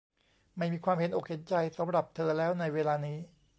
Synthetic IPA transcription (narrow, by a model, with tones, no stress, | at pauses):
ma˥˩jmiː˧kʰwaː˧mhe˨˦nʔoː˨˩k̚he˩˦nt͡ɕa˧jsa˩˦mɾa˨˩p̚t̪ʰɤː˧lɛː˦˥wna˧jweː˧laː˧niː˦˥